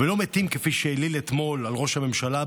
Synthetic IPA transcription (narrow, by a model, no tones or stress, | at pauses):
velo̞met̪imkefiʃelilet̪mo̞lalʁo̞ʃhame̞mʃala